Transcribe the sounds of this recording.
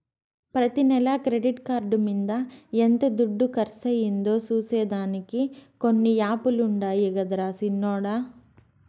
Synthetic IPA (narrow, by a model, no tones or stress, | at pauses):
pɾɐt̪inɛlɐkɾeɖiʈkaːɾɖumind̪ɐent̪ed̪uɖːukɐɾsɐjind̪oːsuːseːd̪aːnikikonːijaːpuluɳɖaːjiɡɐd̪ɾaːsinːɔːɽa